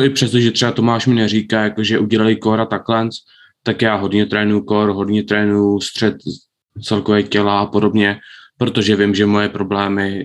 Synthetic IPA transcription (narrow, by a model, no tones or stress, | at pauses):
ʔɪpr̝̥ɛst̪oʒɛt̪r̥ɛbat̪o̞maːʃmɪnɛriːkaːjakoʒɛʔuɟɛlalɪkoɾat̪aklɛnt͡s | t̪akjaːɦo̞dɲɛt̪ɾɛːnujukoɾɦo̞dɲɛt̪ɾɛːnujust̪r̝̥ɛt̪̚ | t͡sɛlkovɛːcɛlaapo̞do̞bɲɛpɾo̞t̪oʒɛvɪmʒɛmo̞jɛpɾo̞blɛːmɪ